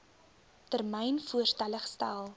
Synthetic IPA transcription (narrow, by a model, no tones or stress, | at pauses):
tərmɛjnfuərstæləχstælˠ